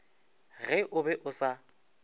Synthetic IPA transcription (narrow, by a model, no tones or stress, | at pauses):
ɣɛʔʊbɛʔʊsa